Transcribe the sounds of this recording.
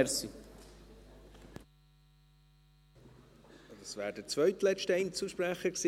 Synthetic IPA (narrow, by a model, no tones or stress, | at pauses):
ɾsi | d̪ɑsvæːɾdət͡svœɥtlɛt͡ʃtɛɪnt͡suʃpɾæχəksi